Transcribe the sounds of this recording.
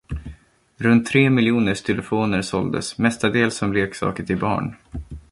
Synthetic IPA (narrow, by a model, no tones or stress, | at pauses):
ɾɵnt̪ʰːɾeːmɪljuːnəʂt̪ʰɪlɛfoːnəɾsɔld̪ə̰smɛst̪ad̪eːlsɔmleːksɑ̰ːkət̪ʰɪlbɑ̰ːɳ